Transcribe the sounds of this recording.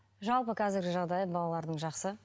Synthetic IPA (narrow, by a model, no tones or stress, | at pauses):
ʒɑlˠpəkʲʰæzɪɾɡʲɪʒɑʁd̪ɑjəbɑlˠɑlˠɑɾd̪əɴʒɑqsə